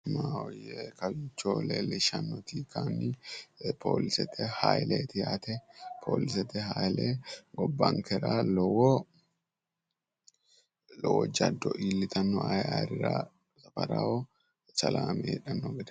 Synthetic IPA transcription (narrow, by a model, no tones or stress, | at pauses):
maːwɔjeːkɐbɪt͡ʃːoːleːlɪʃɐnːɔt̪iːkaːnːɪpʰo̰ːlɪsɛt̪ʰːɛhaːjleːt̪ɪjat̪ɛpʰo̰ːlɪsɛt̪ɛhaːjleːɡɔbːaːŋkɛɾaːlɔwɔ | lɔwɔd͡ʒɐd̪ːɔʔilːɪt̪ɐnːɔajaːɾɪɾaː | ɐpɐɾao | t͡ʃɐlaːmɛːᶑɐnːɔɡɛd̪ɛ